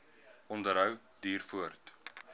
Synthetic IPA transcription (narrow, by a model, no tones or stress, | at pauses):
ɔndəɾɦəw | diːrfuərt